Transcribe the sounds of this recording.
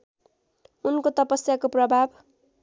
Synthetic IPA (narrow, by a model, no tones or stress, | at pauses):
unkot̪ʌpʌsjakoprʌbʱab